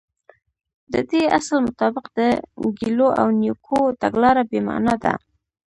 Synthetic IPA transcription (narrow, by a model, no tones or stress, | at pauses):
d̪əd̪ea̰slmʊt̪ɑbɪqd̪əɡiloʔa̰wnjokʰot̪aɡlɑɾabema̰nɑd̪a̰